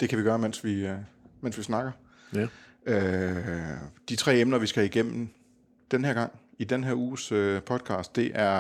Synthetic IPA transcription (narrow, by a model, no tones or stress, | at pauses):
d̥e̝kʰæʋiɡ̥ɶːɐmen̰sʋimen̰sʋisnɑ̈ɡ̥ɐ | ø | d̥it͡sʰʁɛ̰ːemnɐʋisɡ̥æhæiɡ̥em̰m̩ | d̥enɦæɐɡ̥ɑ̈ŋ̰id̥enɦeɐuːsøpʰɒ̽d̥̚kʰɑ̰̈ːsd̥e̝ʔæɐ